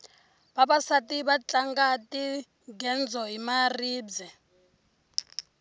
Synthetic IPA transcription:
baβasatʼiβat͡ɬʼaŋɡatʼi | ɡɛnd͡zʱɔɦimariːbd͡zɛ

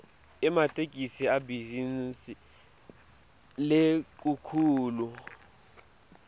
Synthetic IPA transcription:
ɛmatʰʼekʼisiabizinsi | lek̬ʼukʰuːlu

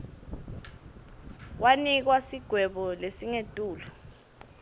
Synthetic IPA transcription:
wanik̬wasiɡ̥ʱwɛɓɔlesiŋetʼuːlɔ

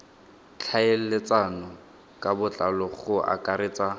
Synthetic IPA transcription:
t͡ɬʰael̩lɪt͡sʼanɔ | kʼabʊt͡ɬʼalɔχʊa̰kʼaɾeːt͡sa

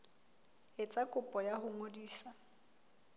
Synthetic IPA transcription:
ɪt͡sʼakʼʊpʼɔjaɦʊŋodiːsa

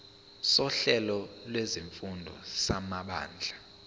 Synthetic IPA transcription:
sɔɬɛlɔlweziɱfundʱɔ̰samaɓa̰ːnd͡ɮʱa

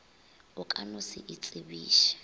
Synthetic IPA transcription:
ʊkʼanʊsɪʔit͡sʼibiːʃḁ

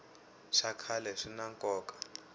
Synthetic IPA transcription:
ʂakʰalɛʂinaŋkʼɔːkʼḁ

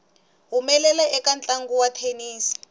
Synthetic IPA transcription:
ɦumɛlɛlɛɛkant͡ɬʼaŋɡuwatʰeniːsi̥

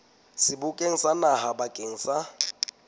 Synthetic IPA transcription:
sɪbʊkʼeŋ̩sanahabakʼeŋ̩sa

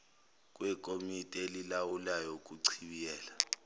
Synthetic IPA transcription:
k̬ʼwɛkʼomitʼelilawulajok̬ʼuǀʰiɓijɛːla

